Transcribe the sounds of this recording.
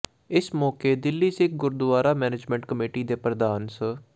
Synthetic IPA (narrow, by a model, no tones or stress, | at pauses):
ɪsmɔːkeːd̪ɪlːiːsɪ̃k̚ɡʊɾd̪ʊʋaːɾaːmɛːneːd͡ʒmɛ̃ːɳʈkəmeːʈiːd̪eːpɾəd̪aːnsə